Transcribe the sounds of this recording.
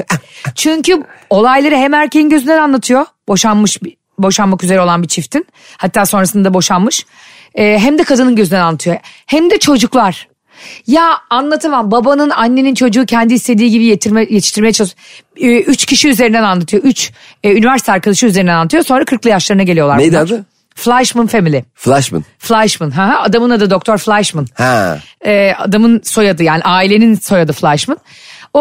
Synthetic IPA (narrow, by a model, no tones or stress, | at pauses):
t͡ʃʰyɲcʰyo̞lˠajlˠaɾɯɦɛmæɾcʰejinɟø̞zynd̪ɛnanlˠat̪ʰɯjo̞bo̞ʃanmɯʃb | bo̞ʃanmakyzeɾɛo̞lˠanbit͡ʃʰift̪ʰin | hat̪ʰːaːso̞nɾasɯnabo̞ʃanmɯʃ | ɛːɦæmd̪ɛkʰad̪ɯnɯnɟø̞zynd̪ɛnanːˠat̪ʰɯjohæmd̪ɛt͡ʃʰo̞d͡ʒuklˠaɾ̥ | jaanlˠat̪ʰɯmambabanɯnanːe̞nint͡ʃʰo̞d͡ʒuːcʰɛnd̪iist̪ʰe̞d̪iːɟibijjet̪ʰi̥ʃt̪iɾmejɛt͡ʃʰalˠsː | yt͡ʃcʰiʃiyzeɾind̪ɛnanlˠat̪ʰɯjo̞yt͡ʃː | ynivæɾsi̥t̪ʰːæɾkʰalˠɯʃɯyze̞ɾinɛnanːat̪ʰɯjoso̞nɾakʰɯɾklˠɯjaʃlˠaɾɯnaɟelʲijo̞lˠaɾnej̪a | flʲˠaʃmɯnfe̞milʲɪflʲˠaʃmɯ̰nflʲˠaʃmɯnɦaɦaad̪amɯnad̪ɯd̪o̞k̚t̪ʰoɾflʲˠaʃmɯnhɛɛːa̰d̪amɯnso̞jad̪ɯjaːniʔaːilʲe̞ninso̞jad̪ɯflʲˠaʃmɯn | o